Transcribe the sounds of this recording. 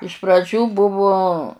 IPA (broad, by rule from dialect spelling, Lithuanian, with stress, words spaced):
ɪʃ prɐˈd͡ʒʲuː ˈbʊʋʊ